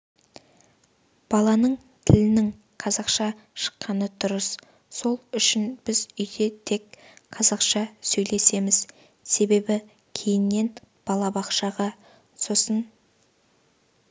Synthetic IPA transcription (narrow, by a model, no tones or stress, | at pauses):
b̥ɑlˠɑnəɴ | t̪ʰɪlɪnɪŋ | qʰɑzɑqʃɑ | ʃə̥qːɑnət̪ʰʊɾəs | so̞lˠʏʃɪnb̥ɪzʏjd̪e̞t̪ʰe̞kqʰɑzɑqʃɑsɵjle̞se̞mɪz | se̞be̞bɪ | kʲʰe̞jɪnːe̞n | b̥ɑlˠɑbɑqʃɑʁɑ | so̞sən